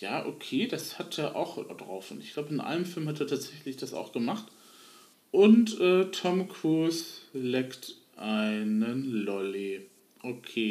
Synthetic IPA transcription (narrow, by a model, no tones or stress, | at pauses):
jaːʔokʰeːd̥ashatʰeːɐʔa̰ʊxdʁaʊfʊntɪ̰çɡ̥l̥aʊbəɪnʔa̰ɪnəmfɪlmhateːɐtʰaːtz̥ɛçlɪçd̥asa̰ʊxɡ̥əmaχt | ʔʊntʔɛːtʰɔmkʰuːslɛkt | ʔaɪnənlɔli | ʔokʰeː